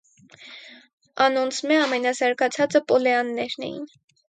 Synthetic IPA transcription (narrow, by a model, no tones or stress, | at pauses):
ɑnɔnt͡sʰmɛɑmɛnɑsɑɾkɑt͡sʰɑt͡səpɔlɛɑnːɛɾnɛ̰jḭn